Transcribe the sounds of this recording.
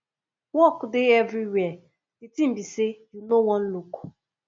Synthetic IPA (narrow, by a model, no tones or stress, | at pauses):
wɔkdeɛvɾiwɛ | ditim̩bisejunowɔ̃n̩luku̥